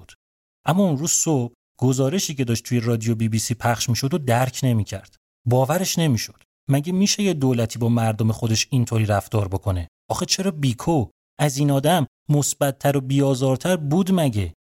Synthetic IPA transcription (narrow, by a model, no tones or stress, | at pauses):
d̪̥ | ʔæmːɒːunɾuːzsob̚ | ɡ̥o̞zɒːɾe̞ʃiːcʰe̞d̪ɒːʃt̪ʰuje̞rɒːd̪ijo̞biːbiːsiːpʰæχʃmiːʃo̞d̪od̪æɾcʰne̞miːcʰæ̰ɾd̪̥ | bɒːvæɾe̞ʃne̞miːʃo̞d̪̥ | mæɟemiːʃe̞jed̪oːlæt̪ʰiːbɒːmæɾd̪omexo̞d̪e̞ʃint̪ʰoɾiːɾæft̪ɒːɾbo̞kʰo̞ne̞ | ʔɒːxet͡ʃʰe̞ɾɒːbiːkʰo | ʔæziːnɒːd̪æmːosbæt̪̚ʰːæɾo̞biːɒːzɒːɾt̪ʰæɾbuːd̪mæɟe̞